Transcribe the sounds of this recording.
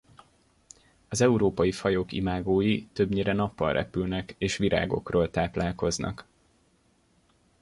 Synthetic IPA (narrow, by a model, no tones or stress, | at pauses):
ɒzɛuɾoːpɒjifɒjoːkḭmaːɡoːjit̪ø̞bɲeːɾɛnɒpːɒ̰lrɛ̰pylnɛkeːʃʋiɾʔa̰ːɡo̞̰kroːlt̪aːplaːlko̞znɒ̰k